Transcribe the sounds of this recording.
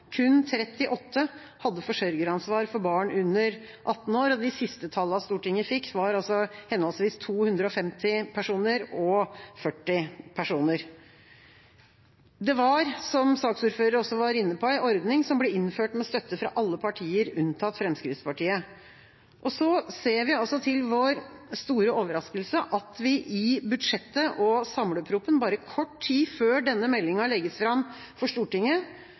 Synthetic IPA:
kʰʉnt̪ʰɾɛt̪ːɪʔɔt̪ʰːə | hɑd̪ːəfɔʂœɾɡəɾɑnsʋɑːɾfɔɾbɑːɳʉnːəɾ | ʔɑt̪ːn̩oːɾɔd̪ɪsɪst̪ət̪ʰɑlːɑst̪uːʈɪŋːæfɪkːʋɑɾɑlsɔhɛnɔlsʋiːst̪ʰuːhʉnd̪ɾəɔfɛmt̪ɪpʰæʂuːnəɾɔfœʈːɪpʰæʂuːnəɾ | d̪ɛʋɑɾsɔmsɑːksuːɾføːɾəɾɔsːɔʋɑɾɪnːəpʰɔæɪʔɔɾd̪nɪŋsɔmblɛɪnføːʈmɛst̪œt̪ːəfɾɑ̰ʔɑlːəpʰɑʈʰiːəɾʉnt̪ʰɑt̪fɾɛmskɾɪft̪spʰɑʈiːə | ʔɔsɔseːɾʋɪɑlsɔt̪ʰɪlʋoɾst̪uːɾəoːʋəɾɑskəlsəʔɑt̪ʋɪʔɪbʉd̪ʂɛt̪ːəʔɔsɑmləpʰɾuːpənbɑːɾəkʰɔʈːʰiːføːɖɛnːəmɛlːɪŋɑlɛɡːəsfɾɑm | fɔʂʈ̪uːʈɪŋə

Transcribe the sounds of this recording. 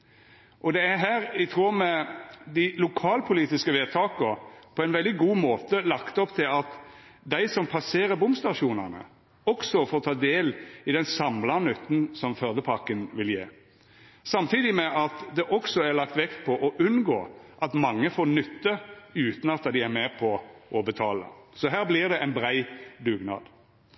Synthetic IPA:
ʔɔd̪ɛæɾɦæːɾɪt̪ʰʁuːɾmɛd̪ɪlʊkʰɑːlpʰʊliːt̪ɪskəʋeːt̪ʰɑːkəpʰɔɛɪnʋɛld̪ɪɡuːmoːt̪əlɑkt̪ɔpt̪ʰɪlɑt̪ | d̪æɪsɔmpʰɑseːɾəɾbʊmst̪ɑʂuːnɑ̰nə̰ | ɔksɔfoːɾt̪ʰɑːd̪eːlɪd̪ɛnsɑmlɑnʉt̪ːn̩sɔmfœɾd̪əpʰɑkənʋɪljḛː | sɑmt̪ʰiːd̪ɪmɛʔɑt̪d̪ɛʔɔksɔæɾlɑkt̪ʋɛkt̪pʰɔʔɔʔʉnɡoːʔɑt̪mɑŋːəfoːɾnʏt̪ːəʉːt̪n̩ɑt̪̚ːɑd̪ɪæɾmɛpʰɔʔɔbət̪ʰɑːlə̰sɔɦæːɾblɪʁd̪ɛʔæɪnbɾæɪd̪ʉːɡnɑ̰ːd̪

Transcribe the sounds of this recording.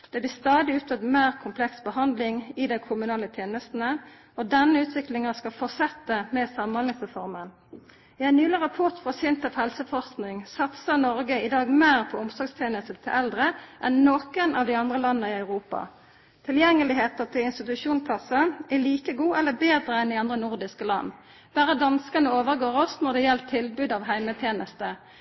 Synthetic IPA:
d̪̥ɛblɪst̪ɑːd̪ɪʉːt̪ʰəd̪meːʁkʰʊmpʰlɛksbəɦɑnd̪lɪŋɪd̪ɛɪkʰʊmʉnɑːlət̪ʰjeːnəst̪n̩ə | ɔd̪ɛnːəʉːt̪ʋɪklɪŋɑskɑfɔsɛt̪ːəmɛsɑmənhɔlɪŋsəfɔʁmən | ɪɛnnʉːləʁɑpʰɔʁt̪fʁɑsɪnt̪əphɛlsəfɔsknɪŋsɑt̪sɑnɔɾɡəɪd̪ɑːɡmeːʁpʰɔʊmsɔɡst̪ʰeːnəst̪ət̪ʰɪlɛld̪ʁəʔɛnːɔːkənʔɑʋd̪ɪɑnd̪ʁəlɑnːəɪɑʉʁuːpɑ̰ | t̪ʰɪljɛŋːəlɪɦeːt̪ət̪ʰɪlɪnst̪ɪt̪ʉʃuːnpʰɑsəæliːkəɡuːɛlːəbeːd̪ʁəɛnɪɑnd̪ʁənʊʁd̪ɪskəlɑ̰nː | b̥æːʁəd̪ɑnskənəoːʋəʁɡoːʁɔsnɔʁd̪ɛjɛlt̪ʰɪlbʉːd̪ɑʋɦæɪmət̪ʰjeːnəst̪ə

